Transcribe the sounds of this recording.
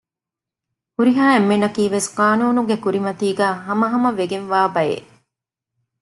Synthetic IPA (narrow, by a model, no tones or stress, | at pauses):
kuɾiɦaːemːenɐkiːʋesqaːnuːnuɡekuɾimɐt̪iːɡæːɦɐmɐɦɐmɐʋeɡenʋaːbɐjḛ